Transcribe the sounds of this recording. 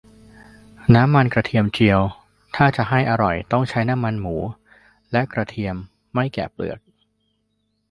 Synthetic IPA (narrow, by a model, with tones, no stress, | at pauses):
naː˦˥mːa˧nkɾa˧t̪ʰi˧əmt͡ɕʰi˧əw | t̪ʰaː˥˩t͡ɕa˨˩ɦa˥˩jʔa˧ɾɔ˨˩jt̪ɔ˥˩ŋt͡ɕʰa˦˥jna˦˥mːa˧nmuː˩˦ | lɛ˦˥ʔkɾa˧t̪ʰi˧əmː | a˥˩jkɛ̰ː˨˩plɯ̰˨˩ək̚